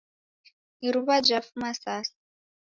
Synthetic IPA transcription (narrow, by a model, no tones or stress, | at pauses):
iɾuβad͡ʒʷafumasaːs